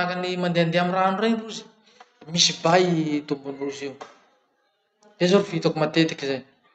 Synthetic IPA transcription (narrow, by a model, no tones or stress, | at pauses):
akanimand̪eand̪eaminranurenruzi̥ | misibait̪umbunruziw | d̪̥ezoɾuvit̪akumat̪et̪ikizan